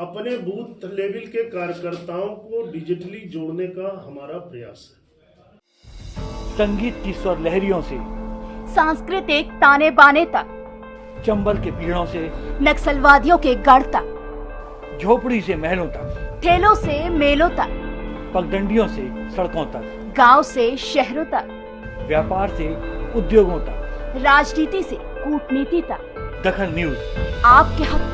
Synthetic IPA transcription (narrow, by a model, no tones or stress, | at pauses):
ɐpnebʱuːt̪leːʋɪlkekaːɾjəkəɾt̪aːõkoɖɪd͡ʒɪʈlid͡ʒoːɽnekaɦɐmaːɾapɾɐjaːsɦɛ̥ | sɐ̃ŋɡiːt̪̚kiswəɾlɛɦɾijõsesãːskɾɪt̪ɪk̚t̪aːnebaːnet̪ɐk | t͡ʃɐ̃mbəlkepiːɽõsenɐksəlʋaːd̪jõkeɡɐɽt̪ɐk | d͡ʒʱoːpɽisemɛɦlõt̪ɐkʈʰeːlõsemeːlõt̪a̰ːpɐk̚d̪ə̃ɳɖijõsesɐɽkõːt̪ɐ | ɡaːwseʃɛɦɾõt̪a | ʋjaːpaːɾseʊd̪joːɡõt̪aɾaːd͡ʒniːt̪ise | kuːʈʰniːt̪it̪a | d̪ɐkʰəlnjuzaːp̚keɦɐtː